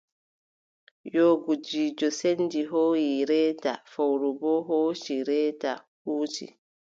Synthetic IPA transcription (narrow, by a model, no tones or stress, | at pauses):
joːɡud͡ʒiːd͡ʒɔsendiɦoːjiɾɛːtafawɾubɔɦoːt͡ʃiɾɛːtahuːtḭ